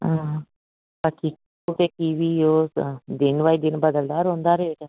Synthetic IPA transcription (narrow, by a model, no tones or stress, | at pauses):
a | pakʰik | okekiʋioːsd̪ɪnʋaːid̪ɪnbəd̪əld̪aːɾɦõːnd̪aːɾeeʈa